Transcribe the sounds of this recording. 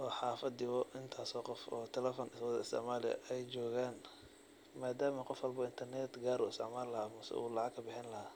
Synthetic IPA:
ʔɔːħɑːfɐd̪ɪβɔʔɪnt̪ʰaːsɔːqɔfɔ̰ːt̪ʰɛlɛfɔnwd̪ɐɪst̪ɛʕmaːlɪɐ̰ʔɛjt͡ʃɔːɣaːn | maːd̪aːmɐqɔfwɐlbɐɪnt̪ʰɐrnɛt̪ɡaːɾṵɪst̪ɪʕmaːlɐhaːmʊsɛ̰ʔṵːlɑʕɑɡkʰːɐbɪħɪnlɐhaː

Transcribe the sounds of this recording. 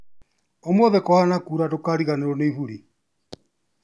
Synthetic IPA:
omoðɛkɔhanakuɾadokaɾiɣaneɾɔneiβuɾi

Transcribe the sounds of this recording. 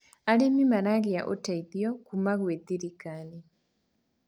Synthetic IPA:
alemimaɾaɡija̰ʔotaiðjɔkumaɣweðiɾikani

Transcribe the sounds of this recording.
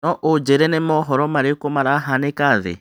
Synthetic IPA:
nɔʔod͡ʒeɾɛnemɔɦɔɾɔmaɾekomaɾaɦanekaðḛ

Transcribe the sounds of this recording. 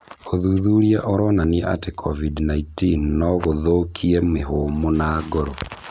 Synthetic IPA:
oðuːðuɾiaʔoɾɔnaneʔa̰tekʰɔvidnaintinːɔɣoðokʰiɛmeɦoːmonaɡoɾo

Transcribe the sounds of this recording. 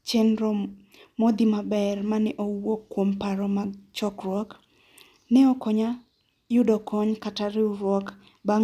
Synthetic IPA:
t͡ʃɛnɾɔ | mɔd̪imabɛrmanɛʔowokːwompaɾɔmat͡ʃɔkrwɔk | nɛɔkɔɲa | jʊdɔkɔɲkataɾɪuɾwɔk | ba

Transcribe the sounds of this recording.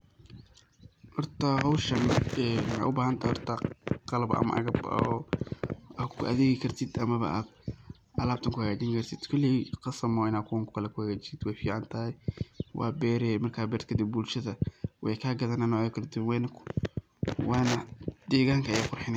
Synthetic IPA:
hɔrt̪ʰɐɦɔwʃɐnɛːnwħa̰ʔʊbaːɦɐnt̪ʰaːjhɔrt̪ʰɐqɑlɐbʔɐ̰mɐ̰ʔɐ̰ɣɐbɔ | akʰʊ̰ʔɐ̰ðɛːɣɪkʰɐrt̪ʰɪd̪ɐmɐβɐ̰ʔaːd̪ | ɐlaːb̚t̪ʰɐŋkʰʊhɐɣaːt͡ʃɪŋkʰɐrt̪ʰɪd̪̥kʰɔlɪqɑsɐmɔɪnaːkʰʊwɐŋkʰʊ̥kʰɐlɛkʰʊhɐɣaːt͡ʃɪsɪd̪wɛjfiːʕɑnt̪ʰɐːjwɑ̰ːbɛːɾɛmɐrkʰaːbɛːɾt̪kʰɐd̪ɪb̚bulʃɐðɐwɛjkʰaːɡɐðɐnanɔkʰɐld̪ɪwɛːnɐkʰʊ̥ | wɑːnɐd̪̥ɛːɣaːŋkʰɐjaːqʊrħɪn

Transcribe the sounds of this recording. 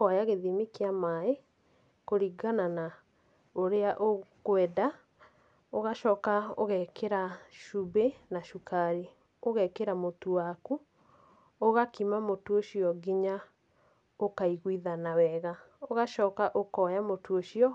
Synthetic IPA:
kɔjaɣeðimikeamae | koɾiɡanana | oɾeaʔoɣwɛda | oɣaʃɔːkao̰ɣɛkeɾaʃubenaʃukaɾi | oɣɛkeɾamotuwaku | oɣakimamotuoʃiɔɡiɲa | okaiɣwiðanawɛɣa | oɣaʃɔːkaʔokɔjamotuoʃiɔ

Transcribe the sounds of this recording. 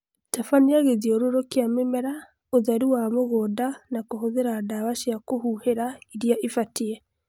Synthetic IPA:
tafaneaɣeðiɔɾoɾokeamemɛɾa | oðaɾiwamoɣɔdanakoɦoðeɾadawaʃakohuheɾaiɾijaʔifatiɛ

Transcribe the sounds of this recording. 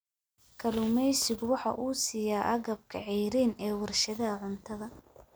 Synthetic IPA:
kʰɐlʊmɛjsɪbwɑħɑ̰ʔuːsiːjaːʔɐɣɐb̚kʰɐ̰ʕiːɾiːnɛːwɐrʃɐðɐʕʊnt̪ʰɐðɐ

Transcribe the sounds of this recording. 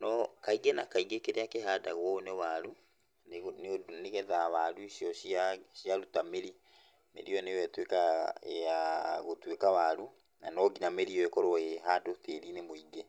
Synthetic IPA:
nɔkaiɡɛnakaiɡekeɾeakehadaɣwɔnewaɾu | ndneɣɛðaβaɾuiʃjɔʃaʃiaɾutameɾi | mḛɾiɔnewɛtwekaeaɣotwekaβaɾu | nanɔɡinameɾiɔekɔɾɔeɦadoteɾinemoiɡe

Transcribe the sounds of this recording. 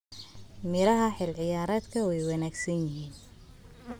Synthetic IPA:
mɪɾɐɦɐħɪlʕɪjaːɾaːd̪kʰɐwɛjwɑnaːɡsɐnjɪɦiːn

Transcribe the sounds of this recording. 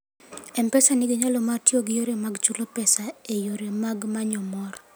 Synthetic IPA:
ɛmpɛsanɪɡɪɲalɔmartioɡɪjoɾemaɡt͡ʃulopɛsaejoɾemaɡmaɲɔmɔr

